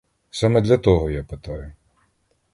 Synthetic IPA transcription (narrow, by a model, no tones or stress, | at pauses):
sɑmɛd̪lʲɐt̪ɔɦɔjapɪt̪ɑjʊ